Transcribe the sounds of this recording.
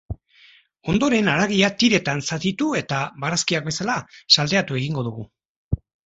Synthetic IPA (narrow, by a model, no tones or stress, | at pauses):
o̞nd̪o̞ɾe̞naɾaɣ̞iat̪iɾe̞t̪ansat̪it̪ue̞t̪aβaɾaskiak̚be̞salasald̪e̞at̪ue̞ɣiŋɡo̞ðuɣ̞u